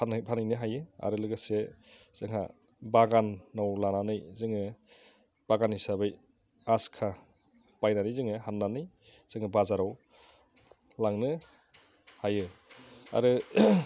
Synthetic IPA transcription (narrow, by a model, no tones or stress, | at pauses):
npʰanɯjnɯɦajɯa̰ɾɯlɯɡɯsez̥ɯŋɦa̰ | baɡanːɔwlananɯjzɯŋɯ | b̥aɡanisabɯj | askʰa | b̥ajnanɯjzɯŋɯɦanːanɯj | z̥ɯŋɯbazaɾɔw | laŋnɯ | hajɯa̰ɾɯ